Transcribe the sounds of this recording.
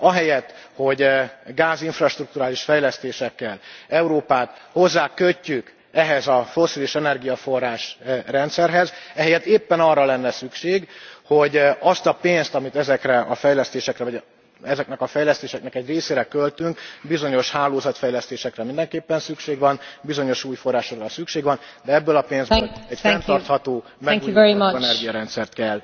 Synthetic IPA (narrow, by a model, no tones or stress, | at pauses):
ɒɦɛjɛt̪ːho̞ɟɡaːziɱfrɒʃt̪ruk̚t̪uɾaːliʃfɛjlɛst̪eːʃɛkːɛlɛuɾoːpaːt̪ho̞zːaːkøcːyk | ɛɦɛzɒfo̞sːiliʃɛnɛrɡijɒfo̞rːaːʃrɛnt̪sɛrɦɛzɛɦɛjɛt̪ːeːpːɛnɒrːɒlɛnːɛsykʃeːɡho̞ɟɒst̪ɒpeːnst̪ɒmit̪ɛzɛkrɛɒfɛjlɛst̪eːʃɛkrɛvɒɟ | ɛzɛknɛkɒfɛjlɛst̪eːʃɛk̚nɛkɛɟreːseːɾɛkølt̪yŋkbizo̞ɲo̞ʃhaːloːzɒt̪fɛjlɛst̪eːʃɛkrɛmind̪ɛŋkeːpːɛnsykʃeːɡʋɒnbizo̞ɲo̞ʃuːjfo̞rːaːʃokrɒsykʃeːɡʋɒn | d̪ɛɛbːølɒpeːnzlɛɟfɛnt̪ɒrt̪hɒt̪oː | mɛŋujɛimɛnɛrɡijɒɾɛnt̪sɛrt̪kɛlː